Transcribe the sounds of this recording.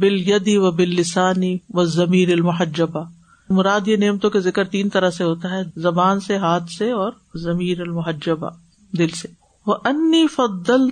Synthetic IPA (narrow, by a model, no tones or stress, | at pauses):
bɪljɐd̪iʋɐbɪlːɪsaːniʋɐzɐmiːɾɐlmʊɦɐd͡ʒːɐba | mʊɾaːd̪jeneːmt̪õkezɪkəɾt̪iːnt̪ɐɾəɦseɦoːt̪aɦɛːzɐbaːnseɦaːt̪ʰseɔːɾ | zɐmiːɾɐlmʊɦɐd͡ʒːəba̰ | d̪ɪlse | ʋɐʔɐnːiːfɐd̪ːɐl